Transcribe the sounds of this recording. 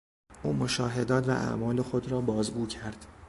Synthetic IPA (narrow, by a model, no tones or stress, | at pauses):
ʔuːmoʃɒːɦe̞d̪ɒːt̪væʔæ̰ʔmɒːle̞xo̞d̪ɾɒːbɒːzɡuːcʰæɾd̪̥